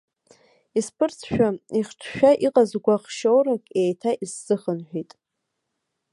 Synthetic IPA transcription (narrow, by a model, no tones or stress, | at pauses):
ispʰɨrt͡sʰʃᶣaiχʈ͡ʂʰʃᶣaʔiqʼazɡʷaχʃowɾakʼejtʰaʔisːɨχənħᶣitʼ